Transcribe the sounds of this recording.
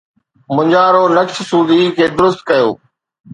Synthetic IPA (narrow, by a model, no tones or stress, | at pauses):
mʊ̃ɲd͡ʑaːɾoːnɐkʃsuːd̪iːkʰeːd̪ʊɾʊst̪̚kəjo̰ː